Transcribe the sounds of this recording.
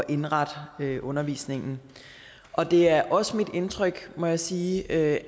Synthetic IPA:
ʔe̝nʁɑ̈d̥øʔɔ̽nɐʋḭːsne̝ŋn̩ | ʔɒ̽d̥e̝æɐʔɒ̽səmid̥e̝nt͡sʰʁœɡ̥mɒ̽jäsiːø

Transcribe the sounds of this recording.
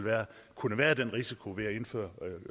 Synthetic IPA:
lʋæːɐ | kʰunəʋæːɐd̥enʁisikʰo̝ʋe̝æe̝nfø̰ːɐ

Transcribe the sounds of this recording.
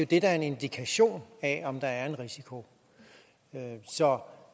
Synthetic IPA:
jo̝d̥e̝d̥ɑɐe̝ne̝nd̥ikʰæɕo̝̰ːnɛɒ̽md̥ɑ̈æɐe̝nʁisikʰo̝ | øsɒ̽

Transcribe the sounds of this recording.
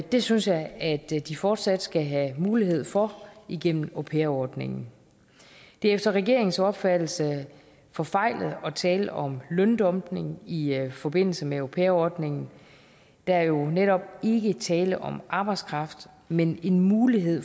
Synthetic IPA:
d̥e̝synsjɑ̈ɪæd̥d̥ifɒːd̥sæd̥sɡ̥æɦæmuːliɦe̝ð̰ˠfɒ̽iɡ̥en̰m̩opʰeɐɒːd̥ne̝̰ŋn̩ | d̥e̝efd̥ɐʁɛɡe̝ɐeŋn̩sɒ̽b̥fæd̥l̩sə | fɒ̽fɑ̈ɪ̰lð̞̩ˠɒ̽t͡sʰɛːləʔɒ̽mlœnd̥ɒ̽mb̥ne̝ŋifɒ̽b̥e̝n̰l̩səmeopʰeːɐɒd̥ne̝ŋn̩ | d̥ææɐjo̝neɾɒ̽b̥̚e̝ɡ̥ət͡sʰɛːləʔɒ̽mʔɑ̈ːb̥ɑ̈ɪd̥skʰʁɑ̈fd̥ | mene̝nmuːliɦe̝ð̰ˠ

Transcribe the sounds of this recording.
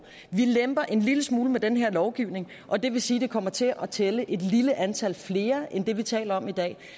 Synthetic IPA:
ʋilemb̥ɐʔe̝nliləsmuːləmed̥enɦeɐ̰lɒʊɡ̥iʊne̝ŋ | ʔɒ̽d̥e̝ʋe̝siːd̥e̝kʰɒ̽m̰ɐt͡sʰe̝ʔɒ̽t͡sʰeləʔe̝d̥liləʔænt͡sʰæl̰fle̝ːɐend̥e̝ʋit͡sʰɛ̰ːlɐɒ̽mid̥ɛ̰ː

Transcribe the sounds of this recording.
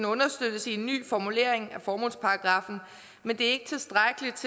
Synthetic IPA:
nɔ̽nɐsd̥øðˠəsie̝nːy̰ːfɒmule̝ɐe̝ŋæfɒːmo̝nspʰɑ̈ɑɡ̥ʁɑ̈fn̩ | mend̥e̝æɐe̝ɡ̥ət͡sʰe̝lsd̥ʁaɡ̥əlid̥̚t͡sʰe

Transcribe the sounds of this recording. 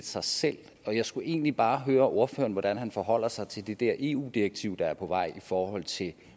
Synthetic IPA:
sɑ̈ɪsel̰ | ɒ̽jɑ̈ɪsɡ̥uʔe̝̰ːnlib̥ɑ̈ːɦøːɐʔo̝ɐfø̰ːɐnʋɒd̥ænɦænfɒɦɒ̽l̰ɐsɑ̈ɪt͡sʰe̝ld̥e̝d̥æɐ̰ʔe̝ːṵːd̥iʁɐɡ̥̚t͡sʰiʊ̰d̥ɑ̈æɐpʰɒ̽ʋɑ̈ɪ̰ifɒːhɒ̽l̰t͡sʰe̝l

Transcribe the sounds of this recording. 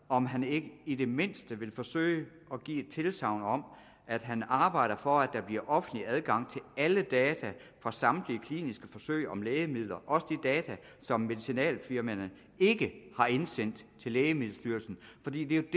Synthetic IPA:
ɒ̽mɦæne̝ɡ̥əid̥e̝me̝n̰sd̥əʋe̝lfɒ̽sø̰ɪə | ɒ̽ɡ̥ḭːd̥̚t͡sʰe̝lsɑ̈ʊ̰nɒ̽m | æd̥ɦænɑ̈ːb̥ɑ̈ɪ̰ɾ̥ɐfɒ̽æd̥ɑ̈b̥liɐʔɒ̽fən̩̥liæð̞ˠɡ̥ɑ̈ŋ̰t͡sʰe̝læləd̥ɛːt͡sʰæfʁɑ̈sɑ̈md̥liəkʰlḭːnisɡ̥əfɒ̽søɪ̰ɒ̽mleːɪəmið̞̰ˠlɐʔɒ̽səd̥id̥ɛːt͡sʰæ | sɒ̽mːe̝ðˠisinɛ̰ːlfiɐmænə | e̝ɡ̥əhɑ̈e̝nsen̰d̥t͡sʰe̝lːeːəmið̩ˠsd̥yɐlsn̩fɒ̽d̥ḭːd̥e̝jod̥

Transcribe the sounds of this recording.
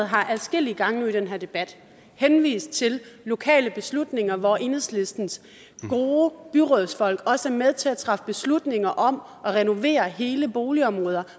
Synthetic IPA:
ð̩ˠɦɑ̈ʔæðˠsɡ̥e̝l̰iɡ̥ɑ̈ŋnoid̥enɦæ̝ɐ̰d̥e̝b̥æd̥ | henʋḭːsd̥̚t͡sʰe̝lːo̝kʰɛ̰ːləb̥e̝slud̥ne̝ŋɐʋɒʔe̝nəðˠsle̝sd̥n̩s | ɡ̥o̝ːb̥yʁɔðˠsfɒ̽l̰ɡ̥ɒ̽səmeð̞ˠt͡sʰe̝læt͡sʰʁɑ̈fəb̥e̝slud̥ne̝ŋɐʔɒ̽m | ʔɒ̽ʁɛno̝ʋe̝̰ːɐɦe̝ːləb̥o̝ːliɒ̽mʁɔ̽ːð̞ˠɐ

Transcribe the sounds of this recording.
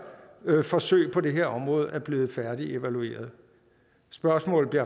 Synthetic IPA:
fɒ̽sø̰ɪpʰɒ̽de̝ɦe̝ɐɒ̽mʁɔ̽ːð̞̩ˠæɐb̥le̝ːð̞̩ˠfæɐd̥ie̝ʋælue̝̰ːɐð̞ˠ | sb̥ɶɐsmɔ̰l̩ˠbliɐ

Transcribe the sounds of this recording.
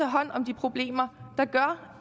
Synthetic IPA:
æɦɒ̽n̰ɒ̽md̥ipʰʁo̝b̥le̝̰ːmɐd̥ɑ̈ɡ̥ɶɐ

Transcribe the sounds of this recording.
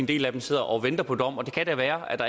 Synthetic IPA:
end̥e̝̰ːlæd̥emse̝ð̰ˠɐʔɒ̽ʋend̥ɐpʰɒ̽d̥ɒ̽m̰ɒ̽d̥e̝kʰæd̥æʋæːɐæd̥ɑ

